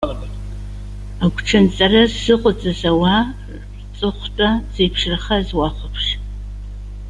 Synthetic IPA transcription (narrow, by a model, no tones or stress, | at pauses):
aɡʷʈ͡ʂʰɐnt͡sʼɐrɐzɨqʷʼʊt͡sʼɐzɐwa | rt͡sʼɨχʷtʼaz̥ejpʰʂrɨχɐzwaχʷʊpʰʂ